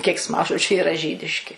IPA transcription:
kʲɛɪksˈmɑːʒoːd͡ʒʲʊ ɪˈrɐ ˈʒʲiːdʲɪʃʲkʲɪ

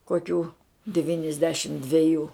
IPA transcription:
koːˈkʲuː dʲɪʋʲiːnʲɪzʲˈdʲæːʃʲɪm dʲʋʲɛˈjuː

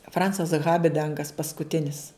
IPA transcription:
ˈfrɐnt͡sɐs ˈɣɑːbʲɪdɐŋɡɐs pɐskʊˈtʲɪnʲɪs

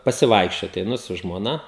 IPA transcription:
pɐsʲɪˈʋɐɪkʃʲt͡ʃʲoːt ɛɪˈnʊ sʊ ʒmoːˈnɐ

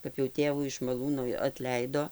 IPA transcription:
kɐp jɛʊ ˈtʲeːʋuː ɪʃ mɐˈlˠuːnʊɪ ɐtʲˈlʲɛɪdoː

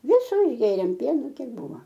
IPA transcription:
ˈʋʲɪsʊ ɪʒʲˈɡʲeːrʲeːm ˈpʲiɛnʊ ˈkʲiɛk ˈbuːʋɐ

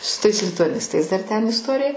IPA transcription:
sʊ tɐɪs lʲɪtʊɐˈnʲɪstɐɪs dɐr ˈtʲɛn ɪsˈtoːrʲɪjɛ

